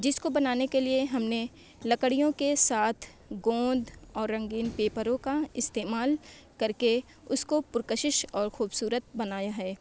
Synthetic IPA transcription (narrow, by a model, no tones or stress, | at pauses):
d͡ʒɪskobɐnaːnekelieɦɐmne | lɐkəɽijõkesaːt̪ʰ | ɡõːnd̪ɔːɾːɐ̃ŋɡiːnpeːpəɾõkaɪst̪eːmaːl | kɐɾke | ʊskopʊɾkəʃɪʃɔːɾxuːbsuːɾət̪̚bɐnaːjaɦɛː